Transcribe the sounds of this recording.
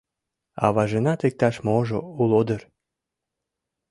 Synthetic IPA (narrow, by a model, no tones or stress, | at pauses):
ɑ̰βɑʒenɑt̪ek̚t̪ɑʃmoʒoulod̪ər